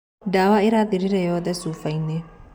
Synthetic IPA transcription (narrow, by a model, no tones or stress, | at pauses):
d̪aːwaːɪɾaːd̪ɪɾɪɾɐjɔːd̪ɛsuːfɐjnːɛ